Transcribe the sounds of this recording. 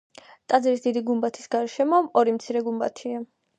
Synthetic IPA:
t̪ʼad̪zɾisd̪id̪iɡumbat̪ʰi̥sɡaɾʃɛmɔɔɾimt̪sʰiɾɛɡumba̰t̪ʰia

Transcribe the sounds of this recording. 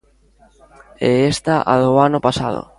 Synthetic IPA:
ɛest̪aʔa̰ðʊanʊpasa̰ðʊ̰

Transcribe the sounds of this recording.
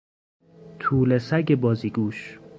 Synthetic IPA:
t̪ʰuːlesæɟebɒːziːɡuːʃ

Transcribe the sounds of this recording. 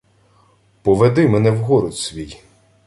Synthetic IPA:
pɔʋed̪ɪmɛnɛwɦɔɾɔt̪sʲʋʲij

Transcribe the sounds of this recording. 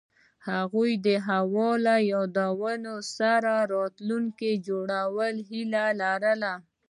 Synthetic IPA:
haɣujd̪əɦawɔlajɑd̪awənosaɾaɾɔt̪luŋked͡ʒoɽawəlɦilalaɾəla

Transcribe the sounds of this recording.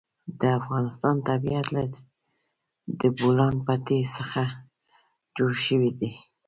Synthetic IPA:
d̪əafɣɑnɪst̪ɑnt̪abiat̪laɾ | d̪əbolɑnpat̪esəxa | d͡ʒoɽʃəwid̪i

